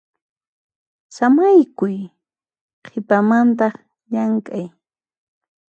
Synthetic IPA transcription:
samajkʊj | qʰɪpamant̪̬ɑχ | ʎaŋkʼaj

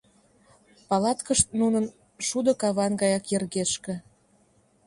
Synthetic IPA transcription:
pɑlˠɑt̪kəʃt̪̚nunə̆n | ʃud̪əkɑβɑnɡɑjɑkjerɣeʃkĕ

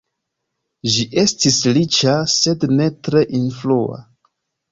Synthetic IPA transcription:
ʒiʔe̞stislit͡ʃase̞dne̞tɾe̞ʔinflua̰

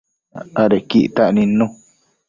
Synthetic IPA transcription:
aɾekiʔit̪aʔnĩnũ

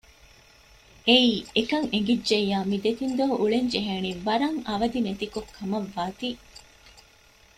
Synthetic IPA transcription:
eiːekɐŋeŋɡidːejːaːmid̪et̪ind̪oɦuʔuɭeɲd͡ʒeɦeːniʋɐɾɐŋɐʋɐd̪inet̪ikokʰːɐmɐʋːaːt̪i

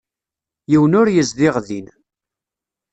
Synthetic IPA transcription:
jiwənʊɾjəzðɪʁðin

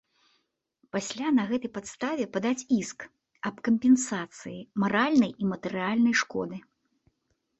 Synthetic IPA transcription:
pasʲlʲanɐɣɛt̪ɐjpat̪st̪avʲɛpad̪at͡sʲisk | ɐbkɐmpʲɛnsat̪sɨjimaɾalʲnɐjimɐt̪ɛɾɨalʲnɐjʂkɔ̰d̪ɨ

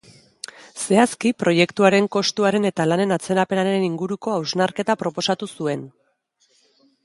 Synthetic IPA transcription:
se̞askipɾo̞je̞kt̪uaɾe̞ŋko̞st̪uaɾe̞ne̞t̪alane̞nat͡se̞nape̞naɾe̞eniŋɡuɾuko̞awznaɾke̞t̪apɾo̞po̞sat̪usue̞n

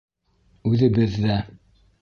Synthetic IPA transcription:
ʉðɘ̆bɘðːæ

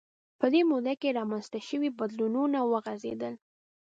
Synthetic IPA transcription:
pəd̪emod̪akeɾɑmanst̪aʃəwibad̪lununawəɣazḛd̪əl

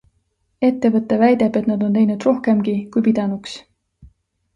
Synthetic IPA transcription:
e̞t̪ːevɤt̪ːˑe̞væjd̪ebe̞t̪nɑd̪̥o̞nt̪e̞jnud̪̥ro̞hke̞mɡikujpid̪̥ɑnuks

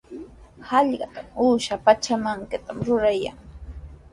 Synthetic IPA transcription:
hɑʎɢɑt̪amuːʃapat͡ʃamaŋkat̪amɾʊɾaja̰ŋ

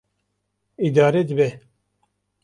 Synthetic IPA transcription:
id̪aːɾed̪ɨbɛ

